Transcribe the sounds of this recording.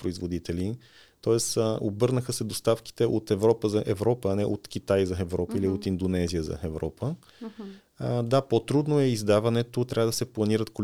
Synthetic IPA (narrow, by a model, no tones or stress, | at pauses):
pɾoizvod̪it̪ɛli | t̪ɔɛsobɤɾnəxəsɛd̪ost̪afki̥t̪ɛʔot̪ɛvɾɔpəzɐʔɛvɾɔpəːnɛʔot̪k̟ʲit̪ajzɐɛvɾɔpəiliot̪ind̪onɛzijəzɐ̰ɛvɾɔpʰə | d̪apot̪ɾud̪noɛizd̪avɐnɛt̪ot̪ɾʔavəd̪ɐsɛplˠɐniɾət̪kol